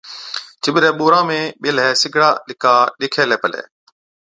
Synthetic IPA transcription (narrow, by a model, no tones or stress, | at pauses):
t͡ʃɪɓɪɾɛːɓoːɾãːmẽːɓɪlɦɛːsɪɡʱɽaːɗɪkaːɗɪkʰeːlɛːpəlḛː